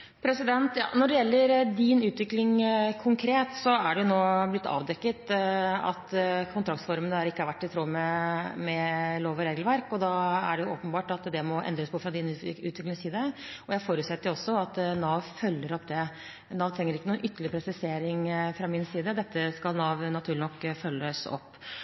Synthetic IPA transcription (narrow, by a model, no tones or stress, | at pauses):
pʰɾɛsɪd̪ɛnt̪jɑ̰ːnɔɖɛjɛlːəɾd̪ɪnʉːt̪ʋɪklɪŋkʰʊŋkʰɾeːt̪sɔæɖɛjʊnoːblɪt̪ʰːɑ̰ːʋd̪ɛkːət̪ɑ̰t̪kʰʊnt̪ʰɾɑkt̪sfɔɾmənəhɑɾɪkːəɑʋæʈːɪt̪ʰɾoːmɛmɛloːʋɔɾeːɡlʋæɾkɔd̪ɑːæ̰ɖɛjʊʔoːpənbɑːʈɑt̪d̪ɛmɔʔɛ̰nd̪ɾəspʰɔfɾɑd̪ɪnʉʉːt̪ʋɪklɪŋsiːd̪əɔjæfoːɾʉːt̪sɛt̪ːəɾjʊɔsːɔɑt̪nɑːʋfœlːəɾɔpd̪ɛ | nɑːʋt̪ʰɾɛŋːəɾɪkːənuːnʔʏt̪ːəɭɪɾəpɾɛsɪseːɾɪŋfɾɑmɪnsiːd̪əd̪ɛt̪ːəskɑlnɑːʋnɑt̪ʰʉːɭnɔkːfœlːəsɔ̰pː